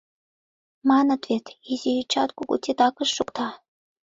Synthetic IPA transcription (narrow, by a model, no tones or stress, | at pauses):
mɑnɤt̪vet̪izijit͡ɕɑt̪kuɡṵt̪ʲit̪ɑkɤ̆ʃːukt̪ɑ